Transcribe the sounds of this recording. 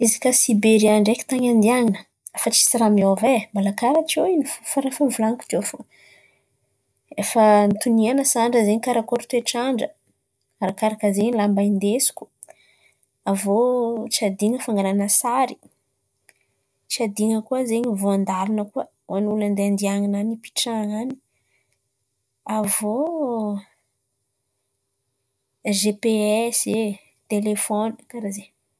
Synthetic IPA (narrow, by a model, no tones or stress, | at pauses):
izikasibeɾiaɳɖ͡ʐekʲi̥t̪aɲand̪iaŋinə̥ | afat͡ʃi̥siɾamiovemalakaɾat͡ʃioinifufaɾafanivulanku̥t̪ofo | efənit̪unianəsaɳɖ͡ʐəzeɲikaɾakoɾut̪weʈ͡ʂaɳɖ͡ʐə | aɾakaɾakəzeɲilambaind̪esu̥kʲu̥ | avot͡siad̪iŋəfaŋɡananəsaɾi̥ | t͡siad̪iŋəkuəzeɲivoand̪alunəkuə | wʔanuland̪eand̪iaŋinanipi̥ʈ͡ʂaŋani̥ | avo | ʒepeɛse | t̪elefɔnəkaɾaze